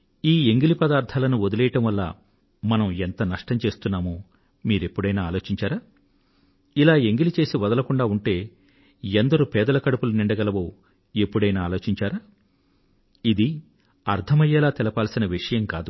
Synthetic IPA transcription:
iːeŋɡilipɐd̪aːɾd̪ʰʱaːlɐnuod̪ulɛjɐʈɐmʋɐlːɐ̰ | mɐnɐment̪ɐnɐʂʈɐmt͡ʃe̞ːst̪unːaːmuː | miːɾe̞pːuɽɐjnaːaːlo̞ːt͡ʃiɲt͡ʃaːɾaː | ilaːe̞ŋɡilit͡ʃe̞ːsiʋɐd̪ɐlɐkuɳɖaːuɳʈe̞ː | end̪ɐɾupɛːd̪ɐlɐkɐɽupuluniɳɖɐɡɐlɐʋoː | epːuɽɐjnaːlo̞ːt͡ʃit͡ʃaːɾaː | id̪i | ɐɾd̪ʰɐmɐjɛːlaːt̪ɛlɐpaːlsinɐʋiʂɐjɐmkaːd̪u

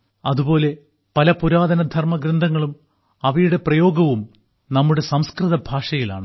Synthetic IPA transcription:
ɐðubo̞ːle̞ | pɐlɐpuɾaːðɐnɐd̪ʱɐrmɐɡɾɐnd̪ʱɐŋːɐɭum | ɐʋɐjuɽe̞prɐjo̞ːɡɐʋum | nɐmːuɽe̞sɐmskrɨðɐbʱaːʂɐjila̰ːɳɨ

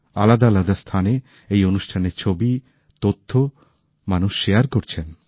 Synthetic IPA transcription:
a̰lad̪alad̪ast̪ʰane | ejonuʃʈʰaneɾt͡ɕʰobi | t̪ot̪ʰːo | manuʃːejaɾkoɾt͡ɕʰen

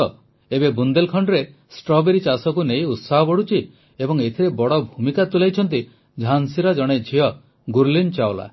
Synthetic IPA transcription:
ɔ | ebebund̪elkʰɔɳɖɾe | sʈɾɔbeɾit͡ʃasɔkunejut̪saɦɔbɔɽ̤ut͡ʃʰi | ebɔŋet̪ʰiɾebɔɽɔbʱumikat̪ulajt͡ʃʰɔnt̪i | d͡ʒʱansiɾɔd͡ʒɔɽ̃ed͡ʒʱiɔ | ɡuɾlint͡ʃaola̰

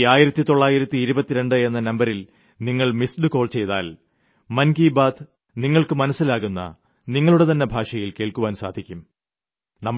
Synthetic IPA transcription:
aːjiɾɐt̪ːit̪o̞ɭːaːjiɾɐt̪ːiːɾubɐt̪ːiɾe̞ɳɖɨe̞nːɐnɐmbɐɾil | niŋːɐɭmisɖɨko̞ːɭt͡ɕe̞jt̪a̰ːl | mɐnɡiːbaːd̪ | niŋːɐɭkɨmɐnɐsːilaːɣunːɐ̰ | niŋːɐɭuɽe̞t̪ɐnːebʱaːʂɐjilke̞ːɭkuʋaːnsa̰ːd̪ʱikʲːum | nɐmː

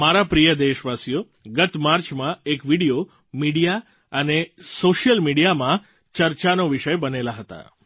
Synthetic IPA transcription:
maɾapɾijəd̪eʃʋasijo | ɡət̪maɾt͡ʃmãekʋiɽijo | miɽija | ənesoʃjəlmiɽijamã | t͡ʃəɾt͡ʃanoʋiʃəjbənelaɦət̪a̰

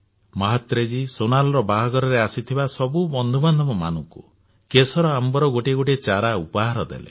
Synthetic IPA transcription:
mɔɦat̪ɾed͡ʒisonalɔɾɔbaɦɔɡɔɾɔɾeasit̪ʰibasɔbubɔnd̪ʱubɔnd̪ʱɔmɔma̰nɔŋku | kesɔɾɔambɔɾɔɡoʈeɡoʈet͡ʃaɾaupɔɦaɾɔd̪ḛlḛ

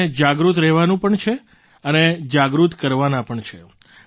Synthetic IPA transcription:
d͡ʒaɡɾut̪ɾɛɦʋanũpəɳt͡ʃʰe | əned͡ʒaɡɾut̪kəɾʋanãpəɳt͡ʃʰe

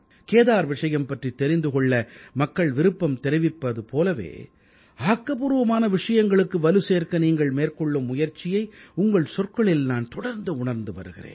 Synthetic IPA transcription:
keːðaːɾʋɪʂɐjɐmpɐʈrit̪ːɛɾɪnd̪ɯkɔɭːɐmɐkːɐɭʋɪɾɯpːɐmt̪ɛɾɪʋɪpːɐðɯpoːlɐʋḛː | aːkːɐpuɾɯʋɐmaːnɐʋɪʂɐjɐŋɡɐɭɯkːɯʋɐlɯseːrkɐniːŋɡɐɭmeːrkɔɭːɯmːʊjɐɾt͡ʃːɪjɐɪʊŋɡɐɭsɔrkɐɭɪlnaːnt̪ɔɽɐɾnd̪ɯʊɳɐɾnd̪ɯʋɐ̰ɾɯɣɪ̰rḛːn

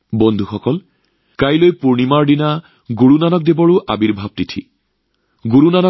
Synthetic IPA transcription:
bɔnd̪ʱuxɔkɔl | kajlojpuɹnimaɹdina | ɡuɹunanɔk̚debɔɹʊʔabiɹbʱab̚titʰḭ | ɡuɹunanɔ

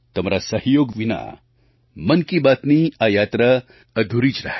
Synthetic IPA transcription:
t̪ɐmɾasɐɦjoːɡʋina̰ | mɐnkibat̪niajaːt̪ɾɐ | ɐd̪ʱuɾit͡ʃɾɐɦ

